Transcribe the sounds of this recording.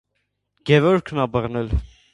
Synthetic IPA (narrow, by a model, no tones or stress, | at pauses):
ɡ̥ɛvɔɾkʰnɑbəʁnɛl